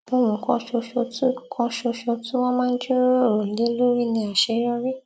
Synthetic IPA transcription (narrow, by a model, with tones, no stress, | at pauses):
õ˧˦wũ˨kɔ̃˧ʃo˧ʃo˧tu˦kʰɔ̃˧ʃo˧ʃo˧tũ˦w̃ɔ̃˦mãː˦n̩˦d͡ʒo˦o˦˨ɾõ˨le˦lo˦ɾi˦˨nĩ˧a˨ʃe˧˦jɔ˦ɾi˦